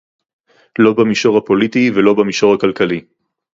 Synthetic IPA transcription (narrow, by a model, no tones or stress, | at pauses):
lo̞bamiʃo̞ʁhapo̞lit̪ivelo̞bamiʃo̞ʁhakalkali